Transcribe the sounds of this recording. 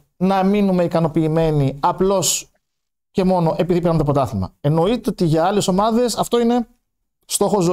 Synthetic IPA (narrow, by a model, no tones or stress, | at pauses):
nɐminume̞ikɐno̞piːme̞niɐplo̞s | ce̞mo̞no̞ʔe̞piðipeɾnɐnt̪op̬ot̪ɐθimɐ̰e̞no̞it̪eot̪iʝɐɐle̞somɐðe̞sɐft̪o̞ine̞ | st̪o̞xo̞zo